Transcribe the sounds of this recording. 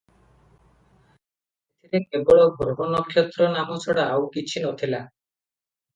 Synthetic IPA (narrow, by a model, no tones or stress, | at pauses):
et̪ʰiɾeebɔɽɔbʱɔɾɔɦɔnɔkʰjɔt̪ɾɔnamɔsʰɔɽaːwkit͡ʃʰinɔt̪ʰila